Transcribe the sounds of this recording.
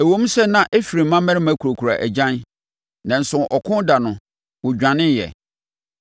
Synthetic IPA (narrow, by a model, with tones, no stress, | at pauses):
æ˨wõ˦m˦sɛ˦nã˦ʔæ˦fi˨ɾi˨˦mã˦mæ˦ɪ˦mã˦kʰu˨ɾo˨kʰu˨ɾa̰˨ʔæ̰˨d͡ʑã˦n | nã˨n̩˨sʊ̃˨ʔɔ˨kʰʊ̃˦da˨nʊ̃˨ | wʊ̃˨d͡ʑᶣã˨nɪ̃˦njɛ̰˨